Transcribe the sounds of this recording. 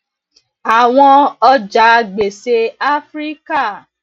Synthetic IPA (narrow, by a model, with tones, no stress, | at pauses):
a˨w̃ɔ̃˧ɔ˦d͡ʒa˨˦ɡ͡be˨se˧a˦fɾi˦ka˦˨